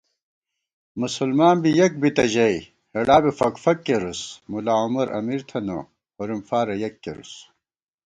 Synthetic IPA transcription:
musulmaːnbijɐk̚bit̪ɐʑɐj | heɽaːbifɐkfɐkːeɾusmulaːumɐɾʔɐ̰miːɾt̪ʰɐno̰ | hoɾimfaːɾɐjɐkːeɾṵs

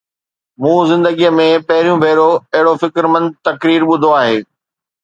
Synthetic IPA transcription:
mũːzɪ̃nd̪əɡijəmẽpɐɦɪɾijũbʱeːɾoɐɦɪɽofɪkɾmə̃nd̪̚t̪ɐkɾiːɾɓʊd̪ʱoaːɦeː

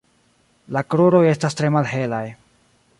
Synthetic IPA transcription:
lakɾo̞ɾo̞je̞stastɾe̞malɦe̞laj

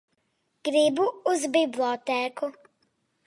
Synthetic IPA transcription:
ɡ̥ɾiːbuuzbiblɔt̪ɛːku

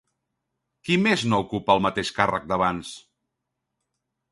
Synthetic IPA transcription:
kimeznoukupəːlˠmət̪eʃkarə̰k̚d̪əβ̞ans

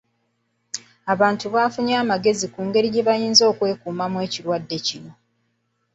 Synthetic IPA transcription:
aβaːntuβaːfuɲaːmaɡe̞zikuːŋɡe̞ɾiɟe̞βajiːnzo̞ːkwe̞ːkuːmamwe̞ːciɾwadːe̞cino̞

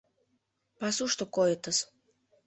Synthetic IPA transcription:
pasuʃt̪okojət̪əs

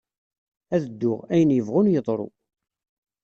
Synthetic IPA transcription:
æðəd̪ːʊʁæjənjəvʁʊnjəðˤɾˤo̰

